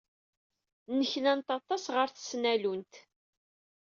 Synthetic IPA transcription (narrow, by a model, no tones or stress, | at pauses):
nəçnænt̪ɑt̪ˤːɑsʁəɾθə̥snælunt̪